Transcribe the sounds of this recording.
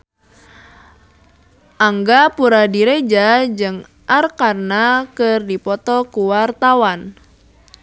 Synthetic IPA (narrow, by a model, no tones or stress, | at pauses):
ʔaŋɡapuɾadiɾed͡ʒad͡ʒɨŋ | ʔarkarnakɨrdipɔt̪ɔkuwart̪awan